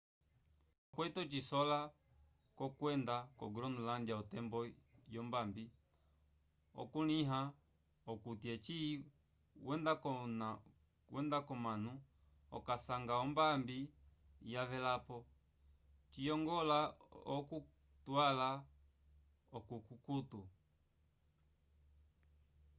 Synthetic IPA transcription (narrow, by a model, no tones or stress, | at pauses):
kwɛtɔt͡ʃisɔla | kɔkwɛndakɔ̰ɡɾɔnulandjaɔtɛmbɔjɔmbambi | ɔ̰kuniɦa | ɔkutiɛt͡ʃi | wɛndakɔn | wʔɛndakɔmanu | ɔ̰kasaŋɡaɔmbambi | javɛlapɔ | t͡ʃijɔŋɡɔlaɔku | twala | ɔkukukutu